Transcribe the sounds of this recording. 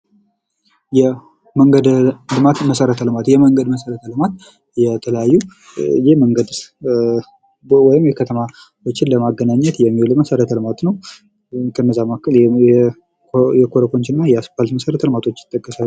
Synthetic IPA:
jɛ | məŋɡəd̪lɨmat̪məsəɾət̪ʰəlɨmat̪jɛməŋɡəd̪məsəɾət̪ʰəlɨmat̪ | jɛt̪ʰələjajːu | jeməŋɡəd̪ | wɔjɪmjɛkʰət̪ʰəma | wot͡ʃːɪnləmaɡːənaɲːɛt̪jɛmːilɨməsəɾət̪ʰəlɨmat̪nəw | kʰənːəzamakːɨl | jɛkʰoɾəkont͡ʃɪnːajɛaspalt̪məsəɾət̪ʰəlɨmat̪ʰo̞t͡ʃːɪ̥t̪ʼːəkʼːəsa

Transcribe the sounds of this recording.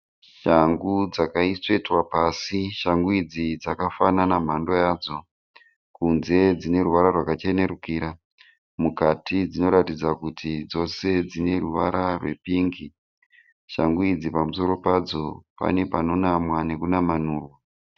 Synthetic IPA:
ʃaŋɡud͡zakaiswe̞twapasiʃaŋɡuid͡zid͡zakafananam̤ando̞jaːd͡zo̞ | kunze̞d͡zine̞ɾuʋaɾarwakat͡ʃe̞ne̞ɾukiːɾa | mukatid͡zino̞ɾatid͡zakutʰid͡zo̞se̞d͡zine̞ruʋa̰ɾarwe̞̰piŋɡi | ʃaŋɡuid͡zipamuso̞ɾo̞pad͡zo̞pa̰ne̞pano̞namwane̞kunamanuːrwa

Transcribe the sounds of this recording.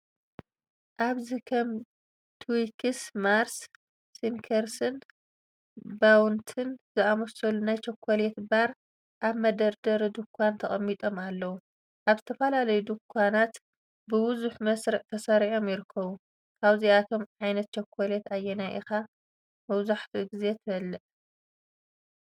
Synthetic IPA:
ʔaβzikʰɐm | t̪ʰwikʰɨsmaɾsː | inkʰɐɾsɐn | bawnt̪ʰɨnzɨamɐsɐlunajt͡ʃʰɐkʷʰːolet̪baɾ | ʔaβmɐd̪ɐɾd̪ɐɾd̪ukʰʷːant̪ʰɐχʼɐmːit̪ʼo̞malːɐwu | ʔaβzɨt̪ʰɐfɐlalɐjud̪ukʷʰːanat̪ | bɨwʊzuħmɐsɾɨʕt̪ʰɐsɐɾʕo̞mjɪɾɨkʰːɐβu | kʰaβziat̪ʰo̞mʕajnɐt̪̚t͡ʃɐkʰʷːɐlet̪ajːɛnajʔḭxa | mɐβzaħt̪ʰiɡize̞t̪ʰɨɐlːɨʔ

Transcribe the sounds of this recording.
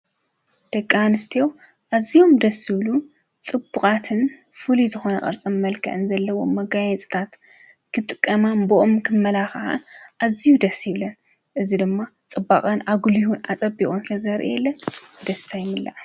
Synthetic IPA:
d̪̥ɐkʼːanɨst̪ʰew | ʔazijo̞md̪ɐsːɨβlu | t͡sʼɨbːukʼat̪ʰɨn | fɨlizɨxo̞nɐ̰χʼɨ̰ɾt͡sʼɐmmɐlkʰɐ̰ʕɨnzɐlːɐwo̞mːɐɡajɛt͡sʼi̥t̪ʰat̪ | kʰɨt̪ʼɨkʼːɐmanboʔomkʰɨmːɐlaxħa̰nʔazijud̪ɐsjɪβlɐn | ʔɨzid̪ɨmːat͡sʼɨbaχʼɐnʔaɡulihuna̰t͡sʼɐbikʼonsɨlɐzɐɾʔḭjɛlːɐnd̪ɐst̪ʰajɪmːɨlːa̰ʕ

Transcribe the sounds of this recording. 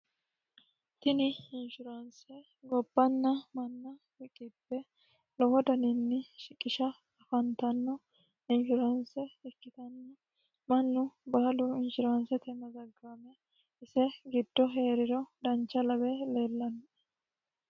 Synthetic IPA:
t̪ɪnɪɪnʃɪɾɐnsɛ | ɡɔbːɐnːɐmɐnːɐ | ɪkʼɪpːɛ | lɔwɔd̪ɐnɪnːɪʃɪkʼːɪʃɐ | ɐfɐnt̪ɐnːɔ | ɪnʃʊɾɐnsɛɛkːɪt̪ɐnːɐ | mɐnːʊbaːlʊɪnʃɪɾɐnsɛt̪ɛmɐzɐɡːaːmɛ | ɪsɛɡɪd̪ːɔɦe̞ːɾɪɾɔd̪ɐnt͡ʃːɐlɐbɛle̞ːlːɐnɔ

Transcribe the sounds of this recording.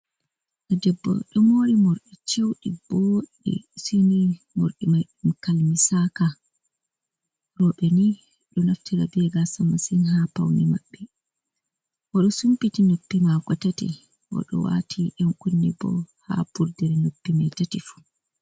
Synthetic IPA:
ʔad͡ʒɛbːɔ̰ɗɔmoːɾimɔɾɗit͡ʃewɗiboɗḭsini | mo̰ɾɗimajɗumkalmisaka | ɾɔɓɛni | ɗɔnaftiɾa̰bɛɡasamasinɦapawnima̰ɓːɛ | waɗɔsumpitinopːimaɡɔtatḭ | wa̰ɗɔ̰wa̰tʰiʔɔmkunːibɔ̰ha̰buɾdɛɾɛnopːimɛtatifu̥

